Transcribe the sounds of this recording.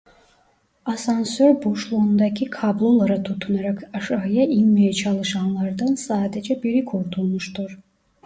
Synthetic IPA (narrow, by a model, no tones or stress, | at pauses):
asansøɾboʃlˠuːnd̪ɑcʰikʰablˠo̞lˠaɾat̪ʰut̪ʰunaɾakaʃaɦɯjaʔinmijɛt͡ʃʰɑlˠɯʃɑnlˠɑɾd̪ansaːd̪ed͡ʒɛbiɾikʰuɾt̪ʰulˠmuʃt̪uɾ